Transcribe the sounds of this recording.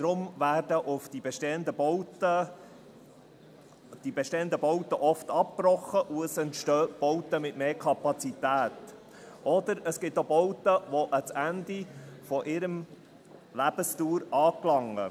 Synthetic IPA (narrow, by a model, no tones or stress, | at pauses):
d̥ɾʊmvæːɾdəʔʊfd̥ibɛʃteːənd̪əbɔtə | d̥ibɛʃteːənd̪əbɔwtəʔɔft̪ɑp̚prɔχːəʔuəsɛntʃtøːb̥ɔwt̪əmɪtmeːɾkʰɑpɑt͡sit̪æːt̪ | ʔɔd̪əɾəsɡ̥ɪt̪ːobɔwtəʋɔʔət͡sænd̪ifɔʔɪɾəm | læb̥əstuːɾɑːklɑŋːə̰